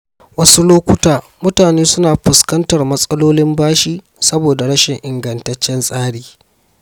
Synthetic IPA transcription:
wɐ˦su˦loː˦kʷʊ˦taː˨ | mʊ˦taː˨neː˦sʊ˦naː˨ɸʊ˨skɐ˦ntɐ˨rmɐ˦sʼɐ˦loː˦lɪ˦mbaː˦ʃiː˦ | sɐ˦boː˨da˨ɽɐ˦ʃɪ˨ŋʔɪ˨ŋɡɐ˨ntɐ˦t͡ʃːɛ˦nsʼaː˦ɽiː˨

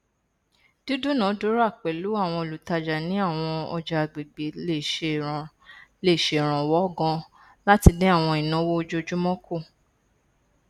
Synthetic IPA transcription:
d̥u˦du˦nã˨˦do˨˦ɾa˦˨k͡pɛ˨lu˨˦a˦˨w̃ɔ̃˧o˨lu˨ta˧d͡ʒa˨nĩ˨˦a˦˨w̃ɔ̃˧ɔ̰˧d͡ʒa˧a˨ɡ͡be˨ɡ͡be˨˦le˦˨ʃe˧˨ɾ̃ | le˦˨ʃe˨ɾ̃ã˨wɔ˨˦˨ɡɔ̃˧ | la˦ti˧nẽ˦a˦˨w̃ɔ̃˧i˨nã˨˦wo˦o˧d͡ʒo˦d͡ʒu˦mɔ̃˦kʰo˦˨

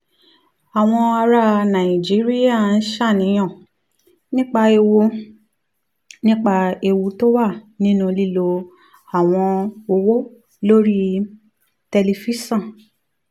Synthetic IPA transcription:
a˨w̃ɔ̃˧a˧ɾa˧nã˨i˨d͡ʒi˨˦ɾi˦ja˦˨n̩˦ʃa˦˨nĩ˨˦j̃ɔ̃˦˨ | nĩ˦k͡pa˧e˧wo˧ | nĩ˦k͡pa˧e˧wu˧to˦wa˦˨nĩ˦nũ˦˧li˦˨lo˧ | a˨w̃ɔ̃˧o˧wo˦ | lo˦ɾi˦ | tɛ˧li˧fi˦sã˦˨

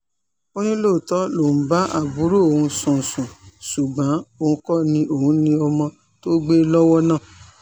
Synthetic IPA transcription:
o˦nĩ˦lo˦˨tɔ˦lõ˨˦ba˦ʔa̰˦˨bu˨˦ɾu˦o˨hũ˧sũ˨sũ˨su˨ɡ͡bã˨˦o˦˨ũ˧˦kɔ˦nĩ˧ʔo˦˨hũ˨˦nĩ˧ɔ˧mɔ̃˧ | to˦ɡ͡be˦lɔ˦wɔ˦nã˦˨

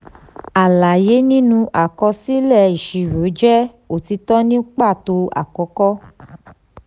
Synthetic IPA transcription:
a˨la˨je˨˦nĩ˦nũ˧ʔa˨kɔ˧si˦lɛ˦˨i˨ʃi˧ɾo˨˦d͡ʒɛ˦ | o˨ti˧tɔ˦nĩ˦k͡pa˦˨to˧a̰˨kɔ˨˦kɔ˦

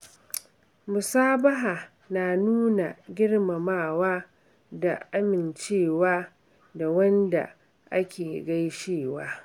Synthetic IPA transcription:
mʊ˨saː˦bɐ˦ɦa˨ | naː˨nuː˦na˨ɡʲɪ˦ɽma˨maː˦˨waː˦ | da̰˨ʔa˦mɪ˨nt͡ʃeː˦˨waː˦ | da˨wɐ˦nda̰˨ | ʔa˦kʲʰeː˨ɡa˦jʃeː˦˨waː˦

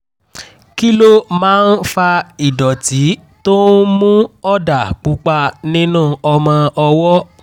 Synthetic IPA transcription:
ki˦lo˦mãː˨˦n̩˦fa˧i˨dɔ˨ti˨˦ | to˦n˦mũ˦ɔ˦da˨k͡pu˨˦k͡pa˧nĩ˦nũː˦˨ɔ˧mã˧ɔ˧wɔ˦

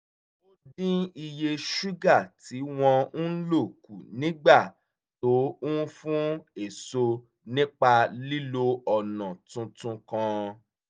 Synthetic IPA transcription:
o˦dĩ˦i˧je˧ʃu˦ɡa˦˨ti˨˦w̃ɔ̃˧n̩˦lo˦˨kṵ˨nĩ˨˦ɡ͡ba˦˨ | to˨˦ũ˦fũ˦e˦˨so˧ | nĩ˦k͡pa˧li˦lo˧ɔ˨nã˨tũ˧tũ˧kã˧

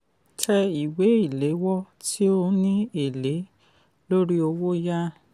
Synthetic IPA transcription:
tʰɛ˧i˨we˨˦i˦˨le˨˦wɔ˦ | tʰi˦o˧˦nĩ˦e˦˨le˨˦ | lo˦ɾi˦o˧wo˦ja˦

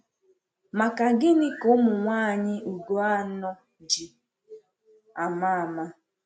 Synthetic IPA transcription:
ma˨ka˨ɡɪ˦nɪ˦ko˦mʊ˨ŋʷaː˦˨ɲɪ˦ʔu˨ɡo˦a˦nɔ˦ | d͡ʒi˨ | a˨ma˦˨ma˦

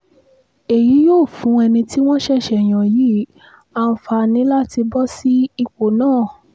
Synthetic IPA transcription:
e˨ji˨˦joː˦˨fũ˨˦ɛ˧nĩ˧tʰi˦w̃ɔ̃˦ʃɛ˦˨ʃɛ˨j̃ã˨ji˨˦ | a˧˦fa˧nĩ˨˦la˦ti˧bɔ˦si˦i˧k͡po˨nãː˦˨

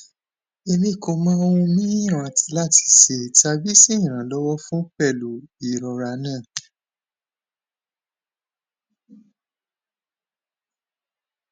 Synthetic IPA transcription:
e˧mĩ˧˦˨kõ˨˧mã˦o˧wũ˧mĩ˦ĩ˦˨ɾ̃ã˨ti˧˦la˦˨ti̥˧˨ʃe˨ta˧bi˦si˦ĩ˦˨ɾ̃ã˨lɔ˦wɔ˦fũ˦pɛ˦˨lu˨i˨ɾɔ˨ɾa˧nãː˦˨

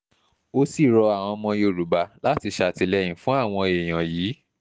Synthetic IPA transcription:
o˦si˦˨ɾɔ˧a˨w̃ɔ̃˧mɔ̃˧jo˧˨ɾu˨˦ba˧la˨˦ti˧ʃa˧˨ti˧lɛ˧j̃ĩ˨˦fũ˦a˦˨w̃ɔ̃˧e˨j̃ã˨jiː˨˦

